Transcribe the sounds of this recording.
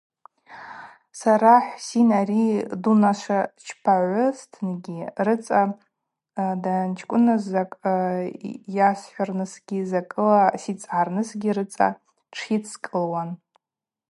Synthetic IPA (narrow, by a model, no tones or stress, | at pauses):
saɾaħsinaridunaʃʷat͡ʃʰpʰaʕʷʊstʰɨnɡʲirɨt͡sʼa | dant͡ʃʰkʷʼʊnɨzakʼ | jasħʷarnɨsɡ̥ʲizakʼɨlasit͡sʼʕarnɨsɡʲirɨt͡sʼa̰ | ʈ͡ʂʰit͡sʰkʼɨlwan